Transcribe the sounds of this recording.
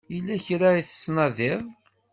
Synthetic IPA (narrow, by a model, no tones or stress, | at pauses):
ilːæçɾaiθə̥snɑðɪðˤ